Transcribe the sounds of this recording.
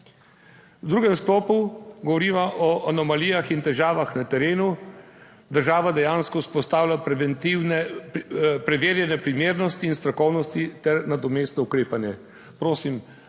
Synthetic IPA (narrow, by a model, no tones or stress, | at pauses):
wd̪ɾuːɡɛmsklɔːpuɡɔʋɔɾiːʋaʔɔʔanɔmaliːjaxint̪ɛʒaːʋaxnat̪ɛɾeːnu | d̪əɾʒaːʋad̪ɛjaːnskɔuspɔst̪aːwlʲapɾɛʋɛnt̪iwnɛ | pɾɛʋeːɾjɛnɛpɾimeːɾnɔst̪iːnst̪ɾakɔwnɔst̪it̪ɛɾnad̪ɔmeːst̪nɔukɾeːpanjɛ | pɾoːsim